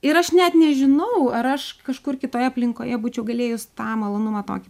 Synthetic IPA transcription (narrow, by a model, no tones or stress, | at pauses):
ɪɾɐʃnʲɛt̪nʲɛʒʲɪnɐʊɐɾɐʃkɐʃkʊrkʲɪt̪oːjɛɐpʲlʲɪŋkoːjɛbuːt͡ʃʲɛʊɡɐlʲeːjʊst̪ɑːmɐlˠoːnʊmɑt̪o̰ːkʲɪ